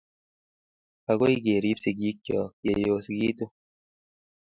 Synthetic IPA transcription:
a˨ɡo˦i˦ɡe˨ɾi˦psi˨ɡi˦kːjɔ˨je˨joː˧sɡiː˦t̪u˦

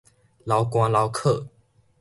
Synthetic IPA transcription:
lɑ˨˦ʊkwɑ˥˦ŋlɑ˨˦ʊkʰɤ˥˨

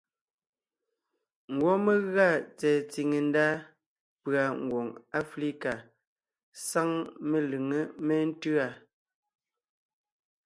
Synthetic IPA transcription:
ŋ̩˨ɡwɔ˦me˦ɣɰa˦˨t͡sɛː˨t͡si˨ŋe˨n̩˦da˦ | pɰa˨ŋ̩˨ɡwo˨ŋa˦fli˦ka˨ | sa˦ŋme˨lɯ˨ŋə˦me˦n̩˦tʉ˦a˦˨

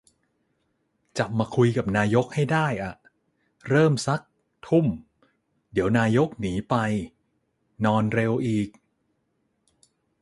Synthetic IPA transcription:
t͡ɕa˨˩p̚maː˧kʰu˧jka˨˩p̚naː˧jo˦˥k̚ha˥˩jdaː˥˩jʔa˨˩ʔ | ɾɤː˥˩msa˦˥k̚ | t̪ʰu˥˩m | di˩˦əwnaː˧jo˦˥k̚niː˩˦pa˧j | nɔː˧nɾe˧wʔiː˨˩k̚

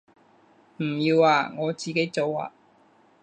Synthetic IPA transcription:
m̩˨˩jiː˧waː˨˧ŋɔː˨˧t͡siː˨ke˨˥jt͡so˨˧wa̰ː˨˧

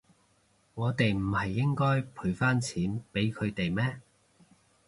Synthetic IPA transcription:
ŋɔː˨˧t̪e˨jm̩˨˩hɐ˨jːɪ˥ŋkɔː˥jpʰu˨˧˩ɥfaː˥nt͡sʰiː˨˥npe˨˥jkʰɵ˨˧ɥt̪e˨jmɛː˥

